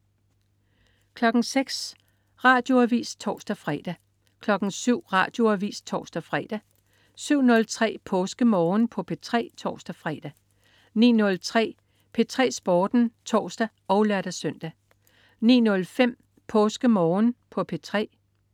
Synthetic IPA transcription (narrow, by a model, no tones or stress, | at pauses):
kʰlɒ̽ɡ̥ŋ̩seɡ̥s | ʁɑ̈ːd̥jo̝æʋḭːst͡sʰɒ̰ːsd̥æfʁɛd̥æ | kʰlɒ̽ɡ̥ŋ̩syʊ̰ʁɑ̈ːd̥jo̝æʋḭːst͡sʰɒ̰ːsd̥æfʁɛ̰d̥æ | syʊ̰nɔ̽lt͡sʰʁɛ̰ːpʰɔ̽ːsɡ̥əmɒːnpʰɒ̽pʰe̝t͡sʰʁɛ̰ːt͡sʰɒ̰ːsd̥æfʁɛːd̥æ | nḭːnɔ̽lt͡sʰʁɛ̰ː | pʰe̝t͡sʰʁɛ̰ːsb̥ɒːd̥n̩t͡sʰɒ̰ːsd̥æ | ɒ̽ʊlæɾ̥æsœn̰d̥æ | nḭːnɔ̽lfem̰ | pʰɔ̽ːsɡ̥əmɒːnpʰɒ̽pʰe̝t͡sʰʁɛ̰ː